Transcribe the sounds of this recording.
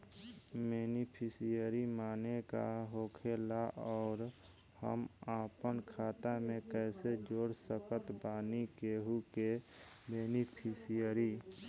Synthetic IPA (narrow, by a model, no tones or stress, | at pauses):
meːnipʰisijəɾimaːnekaɦoːkʰelaʔɔːɾ | hə̰maːpənkʰaːt̪amẽkɛːsed͡ʒoːɽsəkət̪baːnikeɦuke | beːnipʰisijəɾi